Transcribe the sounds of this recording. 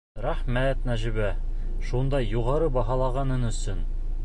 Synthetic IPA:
ɾæχmæt̪næʒɘ̆βæ | ʃund̪ɑjuʁɑɾɤbɑɦɑlˠɑʁɑnɤnɵ̆sɵn

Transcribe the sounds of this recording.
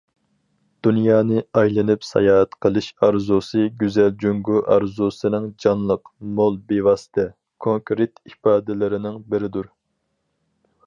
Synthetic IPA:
d̪̥unjɑːnɨɑjlˠɨnɨpsɛ̰jɑːɛt̪qʰəlˠɨʃɑɾzusɨɡʲyzɛld͡ʒyŋɡuʔɑɾzusɨnɨŋd͡ʒɑnlˠəqmolˠbewɑːsɨ̥t̪ʰɛ | kʰoŋkɾit̪ipɑːd̪ɪlɪɾɪnɪŋbɪɾɪd̪uɾ

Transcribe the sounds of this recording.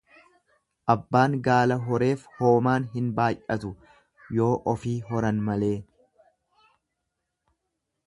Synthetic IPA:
ʔɐbːaːŋɡaːlɐɦɔɾe̞ːfho̞ːmaːnɦɪnbaːjʔɐt̪ʊ | jo̞ːʔɔfiːɦɔɾɐnmɐle̞ː

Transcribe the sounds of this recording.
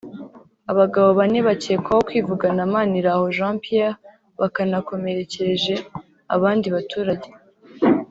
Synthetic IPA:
aβaɡaβo̞βaneβaceːkwahokwiːvuɡanamaːniɾaho̞ʒãːmpia | βakanako̞me̞ɾe̞ceɾeʒe̞ | a̰βaːndiβatuːɾaɟe

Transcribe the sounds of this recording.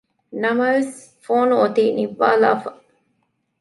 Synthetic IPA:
nɐmɐɾs | foːnuot̪iːniʋːa̰ːla̰ːfɐ

